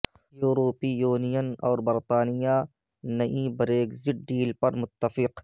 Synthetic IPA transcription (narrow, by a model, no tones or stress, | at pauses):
juːɾoːpijuːnijənɔːɾbɪɾt̪aːnija | nɐʔibɾeːkzɪʈ̚ɖiːlpɐɾmʊt̪ːəfɪq